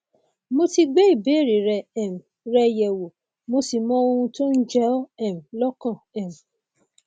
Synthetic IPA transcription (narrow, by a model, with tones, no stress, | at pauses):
mo˧ti˧ɡ͡be˦i˦˨be˨˦˨ɾi˨ɾɛ˧ɛ˨m̩˨ | ɾɛ˧jɛ˨wo˨ | mo˧si˨mɔ̃˦o˧hũ˧to˦n̩˦d͡ʒɛ˦ɔ˦ɛ˨m̩˨lɔ˦kã˦˨ɛ˨m̩˨